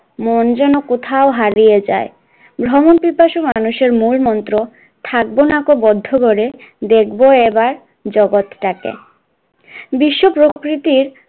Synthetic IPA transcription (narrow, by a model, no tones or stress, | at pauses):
mond͡ʑɛnokot̪ʰaoɦaɾijed͡ʑa̰e | bʱɾɔmonpipaʃomanuʃeɾmulmɔnt̪ɾo | t̪ʰak̚bonakobɔd̪ʱːokoɾed̪ek̚boebaɾ | d͡ʑɔɡot̪ʈakḛ | biʃːopɾokɾit̪iɾ